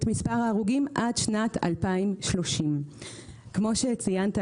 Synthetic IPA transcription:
tmispaʁaːʁuɡimʔadʃnata̰lpaimʃlo̞ʃim | kmo̞ʃet͡sijanta

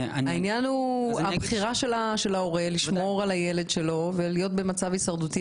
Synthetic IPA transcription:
ainjanuabχiʁaʃe̞laʃe̞laoʁeliʃmoʁalajeledʃe̞lo̞velijo̞t̪̚be̞mat͡savisaʁdut̪i

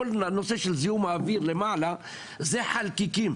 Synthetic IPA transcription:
olnoseʃelzijumaːviɾlemaʕla | zeħalkikim

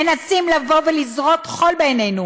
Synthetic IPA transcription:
enasimlavo̞velizʁo̞t̪χo̞lbejnejnu

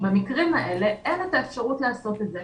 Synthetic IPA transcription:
bamikʁimaʔe̞le̞ʔenet̪aefʃaʁutlaːso̞t̪etze

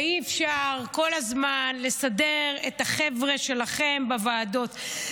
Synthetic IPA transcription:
iefʃaʁko̞lazmanle̞sadeʁet̪aχevʁe̞ʃe̞laχembavaːdo̞t̪

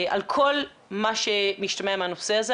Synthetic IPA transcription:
ʔa̰lkʰo̞l | maʃemiʃtameameanoseaze

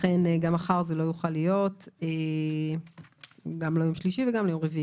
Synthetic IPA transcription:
lχeneɡamaχaʁzelo̞juχalijo̞te | ɡamlajo̞mʃliʃiveɡamlajo̞mʁevii

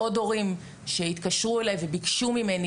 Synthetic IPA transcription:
o̞do̞ʁim | ʃe̞it̪kaʃʁuelajvebikʃumimeni

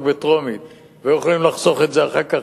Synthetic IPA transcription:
kbet̪ʁo̞mit | vejeχolimlaχso̞χe̞tzeaχaka

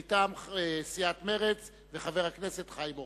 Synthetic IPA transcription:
t̪amesiat̪me̞ʁet͡s | veχave̞ʁhaknese̞t̪χajmo

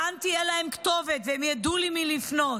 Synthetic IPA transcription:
ant̪ijɛlaemkt̪o̞vet̪veemjad̪ulimilifno̞

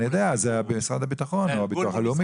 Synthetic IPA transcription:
ijod̪eazeabemisʁad̪abit̪aχo̞noabitkuaalumi

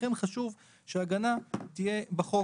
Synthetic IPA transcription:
emχaʃuv | ʃeaɡanat̪ije̞baχo̞

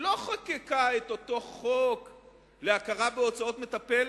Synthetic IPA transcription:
lo̞χakekaet̪o̞t̪o̞χok | leakaʁabeo̞t͡sao̞t̪met̪apel

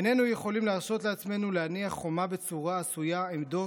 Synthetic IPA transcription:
ene̞nuje̞χo̞limleaʁʃo̞t̪leat͡sme̞nuleaniaχːo̞mabe̞t͡suʁaːsujaemd̪o

